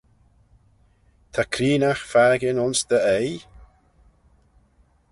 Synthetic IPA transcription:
t̪ʰakʰɾiːnaxfaɾɡɪnʊnsd̪əej

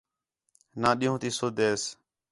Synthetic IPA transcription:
nãːɗĩːɦũːt̪iːsoːd̪eːs

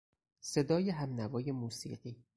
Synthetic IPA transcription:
se̞d̪ɒːjeɦæmnævɒːje̞muːsḭːɢiː

